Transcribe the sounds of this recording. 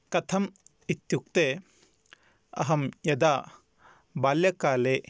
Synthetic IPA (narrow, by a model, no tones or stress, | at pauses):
kɐt̪ʰɐm | it̪juk̚t̪e | ɐ̰ɦɐmjɐd̪a | baljɐkale